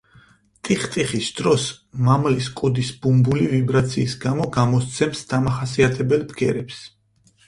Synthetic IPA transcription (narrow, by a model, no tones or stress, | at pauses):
t̪ʼiχt̪ʼiχisd̪̥ɾɔs | mamliskʼɔd̪isbumbulivibɾat̪sʰiːsɡamɔɡamɔst̪sʰɛmsd̪̥amaχasiat̪ʰɛbɛlˠpʰɡɛɾɛps